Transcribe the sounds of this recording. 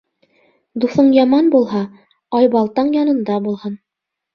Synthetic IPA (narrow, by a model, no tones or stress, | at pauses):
d̪uθɤɴjɑmɑnbulˠɦɑ | ɑjbɑlˠt̪ɑɴjɑnɤ̆nd̪ɑbulˠhɤn